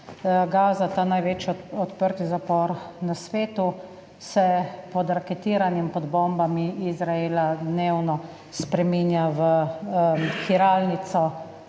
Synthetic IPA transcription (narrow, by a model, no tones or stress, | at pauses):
ɡaːzat̪aːnajʋeːt͡ʃjɔɔt̪pəɾt̪izapɔɾnasʋeːt̪u | sɛpɔd̪ɾakɛt̪iːɾanimpɔd̪bɔmbamiizɾaeːlad̪neːwnɔ | spɾɛminjaʋə | xiɾaːlnit̪sɔ